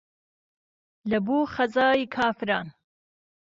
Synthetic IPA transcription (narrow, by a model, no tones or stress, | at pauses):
lɐbuːχɐzaːjikʰaːfɾaːn